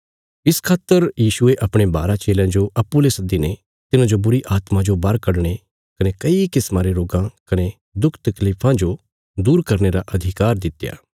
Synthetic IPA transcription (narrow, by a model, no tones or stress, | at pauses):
ɪskʰaːt̪ːəɾjiːʃʊeʔɐpɽ̃eba̰ːɾat͡ʃeːljãd͡ʒoʔɐpːulesɐd̪ine | t̪ɪnãd͡ʒobʊɾiʔaːt̪mãd͡ʒobɐɾkɐɽɽ̃e | kɐnekɐikɪsmãɾeɾoːɡãkɐne | d̪ʊkʰt̪ɐkliːpʰãd͡ʒo | d̪uːɾkɐɾñeɾaʔɐd̪ʱɪkaːɾd̪ɪt̪ːja̰ː